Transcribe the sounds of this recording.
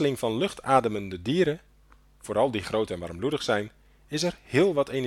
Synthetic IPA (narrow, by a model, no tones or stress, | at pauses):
əlɪŋfɔnløxtʰaːdəməndədiːɾə | foːɾɑlˠdiχroːtɛnʋa̰rmbludəχsɛjn | ɪsɛrhɪəlˠʋɔtʰen